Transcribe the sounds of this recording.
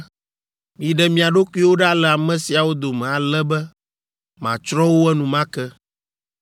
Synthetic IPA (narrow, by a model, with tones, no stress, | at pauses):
mĩ˨ɖɛ˨mĩ˦a˨ɖo˦ku˦i˦wo˦ɖa˦lɛ˨a˨mɛ̃˨si˨a˨wo˦d̪o˨mɛ̃˨a˨lɛ˦bɛ˦ | mã̰˨t͡ʃɾɔ̃˦wo˦ɛ˦nũ˨mã˦kɛ˦